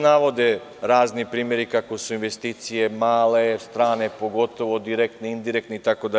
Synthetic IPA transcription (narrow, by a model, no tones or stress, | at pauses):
naʋo̞d̪e | ɾaːznipɾiːmjeɾikakosuinʋest̪iːt̪sijemaːlest̪ɾaːnepoɡo̞t̪o̞ʋod̪iɾek̚t̪neind̪iɾekt̪neit̪akod̪a